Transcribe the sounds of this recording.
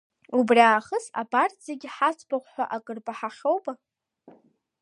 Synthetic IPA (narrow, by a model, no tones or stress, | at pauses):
ubriaːχəsa̰bartz̥eɡʲħat͡sʷʼʰbaχʷħʷᶣa̰ʔakʼɨrbʼaħaχʲowbʼa